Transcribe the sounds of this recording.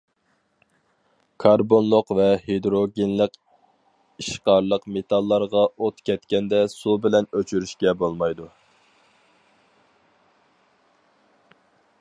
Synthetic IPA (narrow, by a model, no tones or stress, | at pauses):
kʰɑɾbonlˠʊqvɛhed̪ɾoɡʲenlˠəq | iʃqɑɾlˠəqmet̪ʰɑlˠːɑɾʁɑot̪kʲʰɛt̪kʲɛnd̪ɛsubɪlɛnøt͡ʃʰyɾyʃkʲɛbolˠmɑjd̪u